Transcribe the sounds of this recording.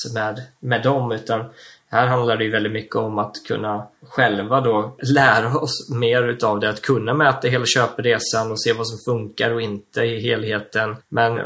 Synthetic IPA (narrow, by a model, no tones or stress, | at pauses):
mɛd̪mɛd̪ɔmʉ̟ːt̪an | hæːɾɦand̪laɖɛjɵvɛlɪt̪mʏkʰːəɔmat̪kʰɵ̰nːaɧɛlvad̪olæːɾaɔsmeːɾʉ̟ːt̪avd̪ɛat̪kʰɵnːamɛːt̪aɦeːlaɕøːpəɾeːsanɔseːvasɔmfɵŋkaɾɔɪnt̪əɪɦeːlɦeːt̪ənmɛn